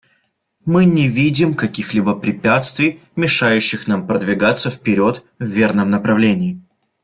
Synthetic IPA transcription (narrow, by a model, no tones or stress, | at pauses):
mɨnʲɪvʲidʲɪmkɐkʲixlʲibəpɾʲɪpʲat̪st̪vʲɪjmʲɪʂajʉɕːɪxnampɾəd̪vʲɪɡat̪səfpʲɪɾʲo̞t̪ | vːʲe̞rnəmnəpɾɐvlʲenʲɪː